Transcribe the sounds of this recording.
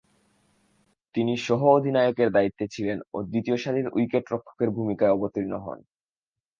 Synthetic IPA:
t̪iniʃɔɦood̪ʱinaeokeɾd̪ait̪ːet͡ɕʰileno̰d̪it̪ioʃad̪ʱiɾujkeʈɾokʰːo̥keɾbʱumikaeɔbot̪iɾinoɦɔ̰n

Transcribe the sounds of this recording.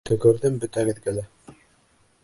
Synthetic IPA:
t̪ɵ̆ɡɵ̆ɾðɘmbɵt̪ænɘ̆ðɡælæ

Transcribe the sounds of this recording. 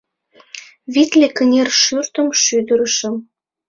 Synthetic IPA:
βit̪lekənʲerʃyrt̪ə̆mʃyd̪əɾə̆ʃə̆m

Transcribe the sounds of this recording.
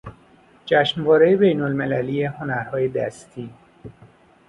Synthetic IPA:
d͡ʒæʃnvɒːɾejebejnolmelæliːjeho̞næɾhɒːje̞d̪æ̰st̪ʰiː

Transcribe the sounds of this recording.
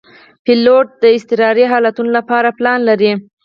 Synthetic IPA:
pɪloʈ̚d̪əɪst̪ɪɾɑɾiɦɑlat̪unolapɑɾaplɑnlaɾi

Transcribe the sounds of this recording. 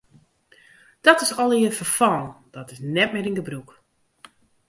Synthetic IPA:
d̥ɔtɪsɔlˠiəfəfɔld̥ɔtɪsnɛtmɪɾinɡəbruk

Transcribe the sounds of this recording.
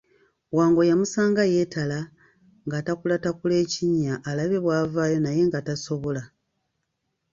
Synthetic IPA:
waːŋɡo̞jamusaːŋɡaje̞ːtala | ŋɡatakulatakule̞ːciɲːaʔːlaβe̞βwaːvaːjo̞naje̞ŋɡataso̞βo̞la

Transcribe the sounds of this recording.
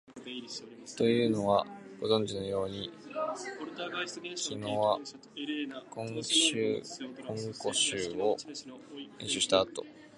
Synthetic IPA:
t̪o̞jɯ̟ːno̞βaɡ̥o̞zõ̞ɲ̟d͡ʑino̞jo̞ːɲ̟i | kʲino̞ːβa | kʰõ̞ŋɕɨ̰ːkõ̞ŋko̞ɕɨːo | ẽɰ̃ɕɨɕi̥t̪aːt̪o̞̰

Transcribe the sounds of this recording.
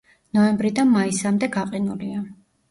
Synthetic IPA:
nɔɛmbɾid̪anmaisamd̪ɛɡaqʼinulia

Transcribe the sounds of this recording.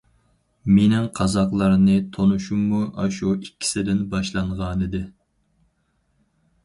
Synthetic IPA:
menɪŋqʰɑzɑqlˠɑɾnɨt̪ʰonuʃumːuʔɑʃuikʲʰːi̥sɪd̪ɪnbɑʃlˠɑɴʁɑnɨd̪ɪ

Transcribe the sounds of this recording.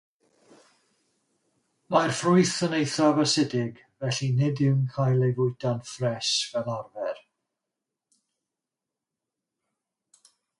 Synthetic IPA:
marfrʊɨθənejθɔvəsɪdɪɡ | vɛɬinɪdɪwnkʰajlˠejvʊɨdanfrɛʃvɛlˠɔrvɛr

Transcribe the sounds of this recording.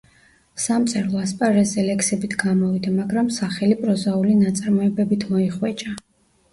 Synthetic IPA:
samt̪sʼɛɾlˠɔaspʼaɾɛzɛlɛkʰsɛbit̪ʰɡamɔvid̪amaɡɾamsaχɛlipʼɾɔzaulinat̪sʼaɾmɔɛbɛbit̪ʰmɔiχwɛt͡ʃʼa

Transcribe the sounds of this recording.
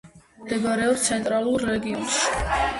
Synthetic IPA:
md̪ɛɡaɾɛɔbt̪sʰɛnt̪ʼɾalˠuɾːɛɡiɔnʃi̥

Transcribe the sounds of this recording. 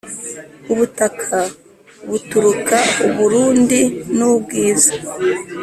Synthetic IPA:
uβutakʰa | βutuɾukauβuɾuːndinubɡiːzḁ

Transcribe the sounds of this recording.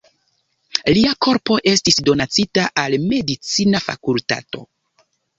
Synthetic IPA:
liako̞ɾpo̞ʔe̞stisdo̞nat͡sitaʔalme̞dit͡sinafa̰kulta̰to̰

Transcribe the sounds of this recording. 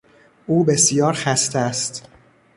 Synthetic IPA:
ʔuːbe̞sjɒːɾxæst̪eæst̪

